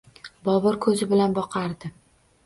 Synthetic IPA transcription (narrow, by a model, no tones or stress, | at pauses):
bɒbɪɾkʰɵzɪbɪlanbɒqʰɑɾd̪ɪ